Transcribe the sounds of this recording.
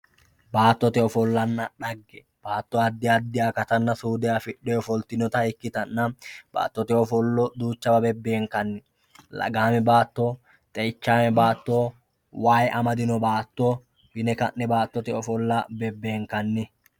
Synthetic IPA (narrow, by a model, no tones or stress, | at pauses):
baːt̪ːɔt̪ɛɔfɔlːɐnːɐᶑɐɡːɛ | b̥aːt̪ːɔɐd̪ːɪjɐd̪ːɪjaːkɐt̪ɐnːɐsuːd̪ɛjafɪɗːɛɔfɔlt̪ɪnɔt̪ɐɪkːɪt̪ɐnːɐb̥a̰ːt̪ːɔt̪ɛɔfɔlːɔd̪uːt͡ʃːɐbɐbɛbːeːŋkɐnːɪ | lɐ̰ɡaːmɛbaːt̪ːɔ | t̪ʼɛjɪt͡ʃːaːmɛbaːt̪ːo | waːjʔɐmɐd̪ɪnɔbaːt̪ːɔ | bɪnɛkɐʔːɛbaːt̪ːɔt̪ɛɔfɔlːɐbɛbːe̞ːŋkɐnːɪ